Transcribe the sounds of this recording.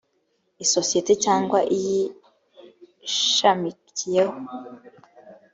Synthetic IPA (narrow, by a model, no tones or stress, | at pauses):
iso̞sijete̞caːŋɡwaʔiji | ʃamicije̞ho